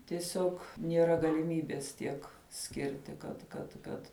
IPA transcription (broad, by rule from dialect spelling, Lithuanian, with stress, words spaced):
tʲiɛˈsʲoːk nʲiɛˈrɐ ɡɐlʲɪˈmʲiːbʲɛs ˈtʲiɛk ˈsʲkʲɪrʲtʲɪ kɐt kɐt ˈkɐt